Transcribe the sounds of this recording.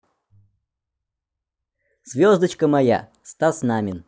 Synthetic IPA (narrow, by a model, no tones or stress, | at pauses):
z̥vʲozd̪ət͡ɕkəmɐja̰st̪asnamʲɪn